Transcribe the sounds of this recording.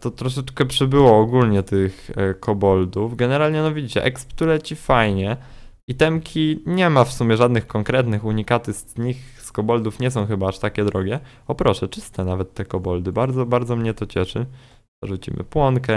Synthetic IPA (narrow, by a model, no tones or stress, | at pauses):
t̪ɔt̪ɾɔʂɛt͡ʂkɛpʂɘbɘwɔːɡulɲɛt̪ɘxkʰɔbɔld̪ufɡɛnɛɾalɲɛnɔvʲid͡ʑit͡ɕɛ̰ʔɛkspt̪ulɛt͡ɕifajɲɛ | it̪ɛmkʲʰiɲɛmafsumʲjɛʐad̪nɘxkɔŋkɾɛt̪nɘxuɲikat̪ɘzɲixskɔbɔld̪ufɲɛs̬ɔ̃w̃xɘbaːʂt̪akʲɛd̪ɾɔɡʲjɛ | ɔpɾɔʂɛt͡ʂɘst̪ɛnavɛt̪ːɛkɔbɔld̪ɘbaɾd̪zɔbaɾd̪zɔmɲɛt̪ɔt͡ɕɛʂɘ | z̥aʐut͡ɕḭmʔɘ̰pwɔnkɛ